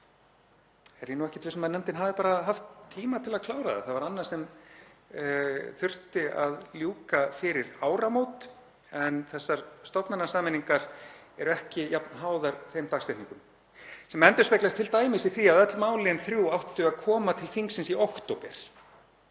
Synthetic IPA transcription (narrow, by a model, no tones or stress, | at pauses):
ɛɾjɛnuɛhcɪt̪vɪsmanɛmt̪ɪnɦaːvɪpaːɾaɦaft̪ʰːiːmat̪ʰɪlaðkʰlaːwɾaða̰θaðvaɾanːḁsɛm | θʏr̥t̪ɪaðljuːkafɪɾɪɾaːwɾamoːwt̪ | ɛnθɛsːaɾ̥st̪ɔpnanasaːmɪniŋkaɾ̥ | ɛɾɛhcɪjapnɦaːwðaɾθejmt̪aːkst̪ɛjhniŋkʏm | sɛmɛnt̪ʏ̥spejklast̪ʰɪlt̪aːjmɪsiθiaððɛt̪lmaːwlɪɛnθɾjuwawht̪ʏaðkʰɔːmat̪ʰɪlθiŋksːɪnsiowkt̪owpɛ̰ɾ̥